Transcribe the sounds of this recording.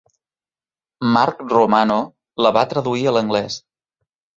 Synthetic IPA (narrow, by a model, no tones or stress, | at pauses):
maɾkrumano | ləβat̪ɾəðuiələŋɡlɛs